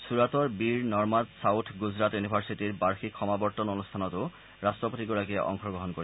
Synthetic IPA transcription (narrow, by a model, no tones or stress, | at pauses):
suɹatɔɹbiɹnɔɹmadsawtʰɡuzɹatjunibʱaɹsitiɹbaɹxikʰɔmabɔɹtɔnonust̪ʰanɔtʊ | ɹastɹɔpotiɡɔɹakɛʔɔ̰ŋxʰɔɡɹɔɦɔnkoɹi